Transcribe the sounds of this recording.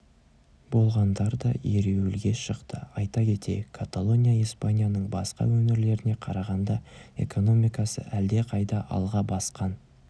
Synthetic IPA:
bo̞lˠʁɑnd̪ɑɾd̪ɑ̰eɾewɪlɡʲe̞ʃəqt̪əɑjt̪ɑkʲʰe̞t̪ʰe̞̰kʰat̪alˠo̞nʲijaijspanʲijanəɴbɑsqɑ̰wɵnɪɾle̞ɾɪne̞qʰɑɾɑʁɑnd̪ɑe̞̰kʰo̞no̞mijkɑsə̰ʔæld̪e̞qʰɑjd̪ɑʔɑ̰lˠʁɑbɑsqɑn

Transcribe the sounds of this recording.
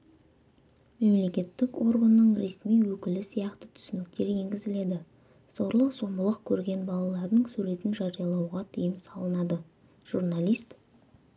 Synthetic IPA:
me̞mle̞kʲe̞t̪ːɪko̞ɾɡənːəɴɾe̞smijwɵkʲɪlɪsijɑqt̪ət̪ʰʏ̥sɪnɪk̚t̪e̞ɾe̞ŋɡʲɪzɪle̞d̪ɪ | so̞ɾlˠəqso̞mbəlˠəqkʲʰɵɾɡʲe̞nbɑlˠɑlˠɑɾd̪əɴsʉɾe̞t̪ɪnʒɑɾijɑlˠɑwʁɑt̪ʰijəmsɑlˠənɑd̪ə | ʒ̥uɾnalʲˠijst̪

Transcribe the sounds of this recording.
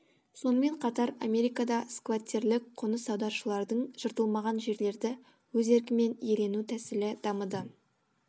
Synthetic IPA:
so̞nəme̞ɴqʰɑt̪ɑɾamʲe̞ɾijkɑd̪ɑskvat̪ʲːeɾlɪk̚qʰonəsɑwd̪ɑɾʃəlˠɑɾd̪əɴʒ̥əɾt̪əlˠmɑʁɑnʒe̞ɾle̞ɾd̪ɪ | wɵze̞ɾk̬ʲɪme̞nje̞le̞nut̪ʰæsɪlɪd̪̥ɑməd̪ə

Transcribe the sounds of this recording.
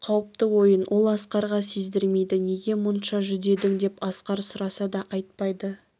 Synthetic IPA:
qʰɑwəp̚t̪əwo̞jənwʔo̞lˠɑsqɑɾʁɑsezd̪ɪɾme̞jd̪ɪne̞ɡʲe̞mʊnʃɑʒʏd̪e̞d̪ɪŋd̪e̞pɑsqɑɾsʊɾɑsɑd̪ɑʔɑjt̪̚pɑjd̪ə

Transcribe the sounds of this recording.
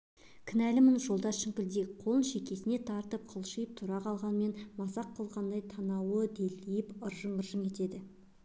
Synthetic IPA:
kʲʰɪnælɪmɪnʒo̞lˠd̪ɑʃɪŋkʲɪld̪eqʰo̞lˠənʃe̞kʲe̞sɪne̞t̪ʰɑɾt̪əp̚qʰəlˠʃəjəp̚t̪ʰuɾɑqʰɑlˠʁɑnme̞nmɑsɑqʰːəlˠʁɑnd̪ɑjt̪ʰɑnɑwəd̪elːejɪpəɾʒəɴəɾʒəŋkʲʰe̞t̪e̞d̪ɪ

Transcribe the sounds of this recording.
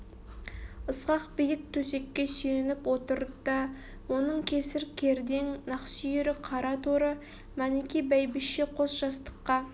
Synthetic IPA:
əsqɑqbijɪk̚t̪ʰɵse̞kʲːe̞syjenɪpwo̞t̪əɾəd̪ɑ | wo̞nəɴkʲʰe̞sɪɾkʲʰeɾd̪e̞ŋnɑqsijeɾɪqʰɑɾɑt̪ʰoɾə | mænekʲibæjbɪʃeqʰosʒ̥ɑst̪ə̥qːɑ

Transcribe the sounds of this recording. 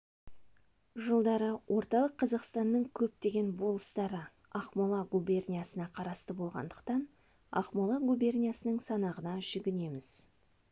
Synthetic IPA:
ʒəlˠd̪ɑɾəwʔo̞ɾt̪ɑlˠəqʰːɑzɑqst̪ɑnːəɴkʲʰɵp̚t̪e̞ɡʲe̞nbo̞lˠəst̪ɑɾə | ɑχmolˠɑɡubʲe̞rnʲijasənɑqʰɑɾɑst̪əbo̞lˠʁɑ̰nd̪əqt̪ɑn | ɑ̰χmolˠɑɡubʲe̞rnʲijasənəɴsɑnɑʁənɑʒ̥ʏɡʲɪne̞mɪz̥

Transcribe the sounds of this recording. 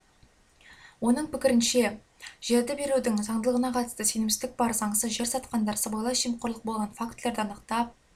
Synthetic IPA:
wo̞nəɴpʰɪkʲɪɾɪnʃe̞ | ʒ̥e̞ɾd̪ɪbe̞ɾud̪ɪŋzɑɴd̪əlˠəʁənɑqʰɑt̪ə̥st̪əse̞nɪmsɪzd̪ɪk̚bɑɾzɑɴsəzʒe̞ɾsɑt̪qɑnd̪ɑɾsəbɑjlˠɑʃijmqʰoɾlˠəq̚bo̞lˠʁɑnfakt̪leɾd̪ɑnəqt̪ɑp̚

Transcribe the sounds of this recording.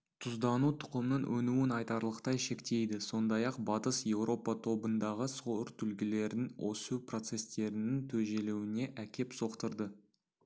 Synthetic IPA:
t̪ʰʊzd̪ɑnut̪ʰʊ̥qəmnəɴwʔɵnuwɪnɑjt̪ɑɾlˠəqt̪ɑjʃe̞kt̪e̞jd̪ɪso̞nd̪ɑjɑqbɑt̪əsje̞wɾo̞pɑt̪ʰo̞bənd̪ɑʁəsoɾt̪ʰʏlɡʲɪle̞ɾɪnwo̞̰supro̞t̪se̞st̪e̞ɾɪnɪŋt̪ʰɵʒe̞lewɪne̞ʔækʲʰe̞pso̞qt̪əɾd̪ə

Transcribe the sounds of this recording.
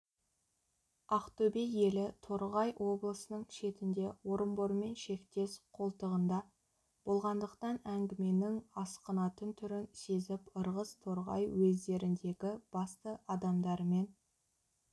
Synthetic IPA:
ɑqt̪ɵbeje̞lɪt̪ʰo̞ɾʁɑjwʔo̞blˠəsənəɴʃe̞t̪ɪnd̪e̞wo̞ɾəmboɾme̞nʃe̞kt̪e̞sqʰo̞lˠt̪əʁənd̪ɑ | b̥o̞lˠʁɑnd̪əqt̪ɑnæŋɡʲɪme̞nɪŋɑsqənɑt̪ənt̪ʰʏɾɪnse̞zɪpəɾʁəst̪ʰoɾʁɑ̰jwɵzd̪e̞ɾɪnd̪e̞ɡʲɪb̥ɑst̪əʔɑd̪ɑmd̪ɑɾme̞n

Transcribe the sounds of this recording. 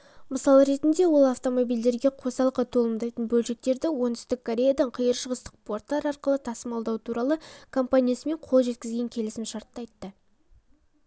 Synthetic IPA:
məsɑlˠəɾe̞t̪ɪnd̪e̞wo̞lˠɑft̪o̞mo̞bijld̪e̞ɾɡʲe̞qʰo̞sɑlˠəqɑt̪ʰo̞lˠəmd̪ɑjt̪ənbɵlʃe̞k̚t̪e̞ɾd̪ɪwo̞nʏ̥st̪ɪkʰːoɾʲe̞jad̪ɑɴqʰəjəɾʃəʁəst̪ə̥q̚po̞rt̪ːɑɾɑɾqəlˠət̪ʰɑsəmɑlˠd̪ɑwt̪ʰuɾɑlˠəkʰo̞mpanʲijasəme̞ɴqʰolˠʒe̞t̪̚kʲɪzɡʲe̞ŋkʲʰe̞lɪsɪmʃɑɾt̪ːɑjt̪ːə

